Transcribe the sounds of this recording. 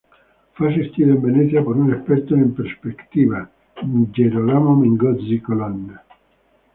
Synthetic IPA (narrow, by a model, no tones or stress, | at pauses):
fas̬ist̪iɾimvenɛt̪sjapoɾunespɛɾt̪oimpeɾspekt̪iːva | d͡ʒeɾolamomiŋɡɔd̪zikoland̪a